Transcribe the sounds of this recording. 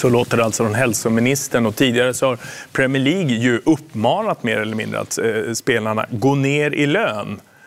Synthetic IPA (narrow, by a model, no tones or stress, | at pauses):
sɔloːt̪əɖɛalt̪sɔd̪ɔmɦɛlsʊmɪnɪst̪əɳɔt̪ʰiːd̪ɪɡaɾəsɔhaɾpʰɾɛmɪəɭiːɡjɵʔɵpːmɑːnat̪meːɾɛlːəɾmɪ̰nd̪ɾə̰a̰t̪speːlaɳa̰ɡoːneːɾʔɪløːn